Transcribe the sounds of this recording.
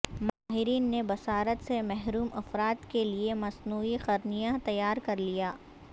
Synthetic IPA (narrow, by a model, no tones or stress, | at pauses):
maːɦɪɾiːnːebɐsaːɾət̪semɛɦɾuːmɐfɾaːt̪keliemɐsnuːixɐɾnijat̪ɐjaːɾkɐɾlijaː